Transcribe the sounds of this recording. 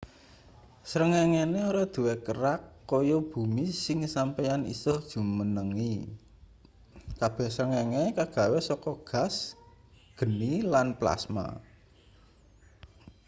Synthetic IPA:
sɾəŋɛŋeneoɾɔd̪̥ṳwekəɾakːɔjob̥ṳmisɪŋsampɛjanḭsɔhd̥ʒ̥ṳmənəŋi | kab̥ɛ̤hsɾəŋɛŋekaɡ̥ä̤wesɔkɔɡ̥a̤s | ɡ̥ə̤nilanpla̰sma̰

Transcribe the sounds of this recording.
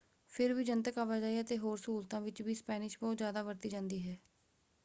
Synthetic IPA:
pʰɪɾʋiːd͡ʒənt̪əkaːʋaːd͡ʒaːiət̪eːɦoːɾsuːɾt̪ãːʋɪt͡ʃbiːspɛːnɪʃbɔːt̪zjaːd̪aːʋəɾt̪iːd͡ʒãːnd̪iːɦɛː

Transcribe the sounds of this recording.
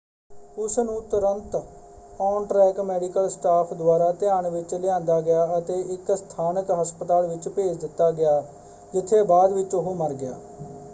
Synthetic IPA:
ʊsnũːt̪ʊɾənt̪ | ɔːnʈɾɛːkmɛːɖɪkəlsʈaːpʰd̪ʊwaːɾaːt̪ɪãːɳʋɪt͡ʃlɪjãːnd̪aːɡɪjaːət̪eːɪkst̪ʰaːnəkɦəspət̪aːlʋɪt͡ʃpeːd͡ʒd̪ɪt̪ːaːɡɪjaː | d͡ʒɪt̪ʰːeːbaːd̪ʋɪt͡ʃʊɦoːməɾɡɪja̰ː

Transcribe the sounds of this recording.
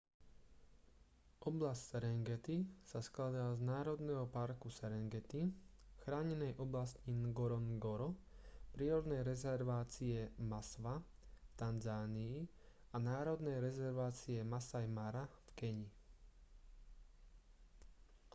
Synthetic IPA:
ʔɔblassɛɾɛŋɡɛt̪isasklad̪aːznaːɾɔd̪nɛɦɔpaɾkusɛɾɛŋɡɛt̪i | xɾaːɲɛnɛjʔɔblascinɡɔɾɔnɡɔɾɔpɾiːɾɔd̪nɛjɾɛzɛɾʋaːt͡siɛmasʋa | ft̪anzaːniː | anaːɾɔd̪nɛjɾɛzɛɾʋaːt͡siɛmasajmaɾafkɛɲi

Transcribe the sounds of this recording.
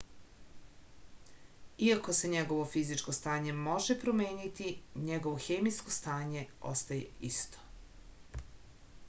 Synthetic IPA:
iako̞se̞ɲeɡo̞ʋo̞fizit͡ʃko̞st̪aːɲe̞moʒepɾomeːɲit̪iɲeɡo̞ʋoxeːmijskost̪aːɲe̞o̰st̪ajḛist̪o̥

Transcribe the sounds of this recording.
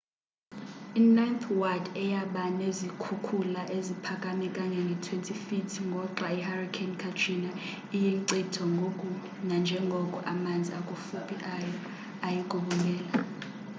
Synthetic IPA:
inajnt̪ʰwadɛjaɓanezikʰukʰulaʔezipʰakʼamikʼaɲɛŋɡʱɛtʰwentʰifitʰiŋɡʱɔǃwaiharikʰankʰatʰrina | ijiŋǀitʰɔŋʱokʼu | nand͡ʒʱɛŋɡʱɔkʼuʔamand͡zʱiakʼufupʼiʔajɔ | ajikʼuɓulɛːla

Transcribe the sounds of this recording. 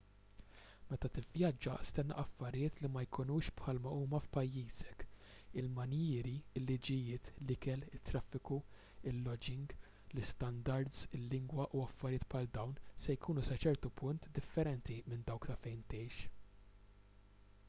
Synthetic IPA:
mɛt̪ɐt̪ɪvjɐd͡ʒːɐ̰st̪ɛnːɐ̰ʔɐfːɐɾɪjɪːt̪limɐjkʰʊnuːʃpħɐlmɐuːmɐfpɐjːiːzɛk | ɪlmɐnjɪːɾiɪlːid͡ʒɪjɪːt̪lɪkɛlɪt̪ːɾɐfːɪku | ɪlːɔd͡ʒɪŋɡ | lɪst̪ɐnd̪ɐɾd̪zɪlːɪŋɡwɐʔuɐfːɐɾɪjɪːt̪pħɐld̪ɐwnsɛjkʰuːnusɐt͡ʃɛɾt̪upʊnt̪d̪ɪfːɛɾɛnt̪imɪnd̪ɐwkt̪ɐfɛjnt̪ɛjʃ

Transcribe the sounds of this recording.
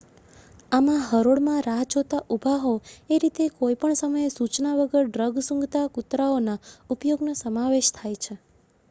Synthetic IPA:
amãɦəɾoɽmãɾaɦd͡ʒot̪aʔubʱaɦoeɾit̪ekojpəɳsəməjesut͡ʃnaʋəɡəɾɖɾəɡsũŋɡt̪akut̪ɾaonaupjoɡnosəmaʋeʃt̪ʰajt͡ʃʰe

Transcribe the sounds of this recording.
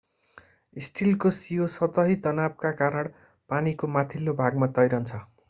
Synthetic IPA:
isʈilkosijosʌt̪ʌɦit̪ʌnab̚kakaɾʌɽ | panikomat̪ʰilːobʱaɡmat̪ʌjɾʌnt͡sʰʌ

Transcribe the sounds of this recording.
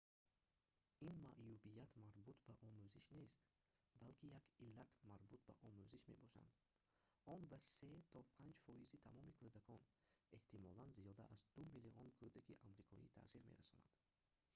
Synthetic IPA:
inmaʔjubijat̪maɾbut̪ʰbaʔɔmuziʃne̞st̪ | balkʰijakilːat̪maɾbut̪̚ba̰ʔɔmuziʃme̞̰bɔʃa̰nd̪ | ɔnbase̞t̪ʰɔpʰand͡ʒfɔizit̪ʰamɔmikʰud̪akʰɔne̞ht̪imɔlanziɔd̪a̰ʔazd̪umiliɔnkʰod̪akiʔamɾikʰɔ̰ḭt̪ʰa̰siɾmḛɾasɔna̰d̪̥

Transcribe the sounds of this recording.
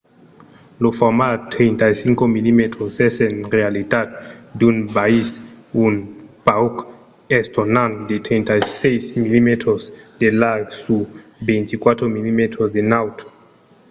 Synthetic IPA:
lofɔmat̪ɾent̪ajsiŋkomilimet̪ɾosɛsenrealit̪at̪̚dunbaisunpauk | est̪onand̪et̪ɾentajsejsmilimet̪ɾosd̪elaɡsubejnt̪ikwat̪ɾomilimet̪ɾosd̪enawt̪o̥

